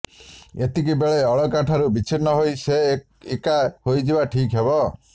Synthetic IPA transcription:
et̪ik̬ibeɭeɔɭɔkaʈʰaɾubit͡ʃʰinːɔɦojse | ekahojd͡ʒibaʈʰikɦebɔ

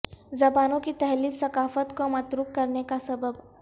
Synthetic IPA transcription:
zɐbaːnõkit̪ɛɦliːksɐkaːfət̪komɐt̪ɾuːkkɐɾnekasɐbəb

